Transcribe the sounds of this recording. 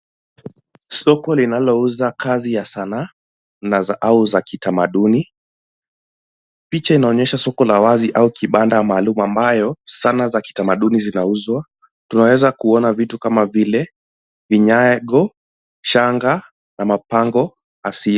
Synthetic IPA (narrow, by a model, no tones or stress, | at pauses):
sɔkɔlinalɔuzakazijasana | naʔauzakitamaɗuni | pit͡ʃainaɔɲɛʃasɔkɔlawaziʔaukiɓandamaːlumuambajɔsanazaki̥tamaɗunizinauzwa | tunawɛzakuɔnavitukamavilɛ | viɲaɡɔ | ʃaŋɡa | namapaŋɡɔ | asia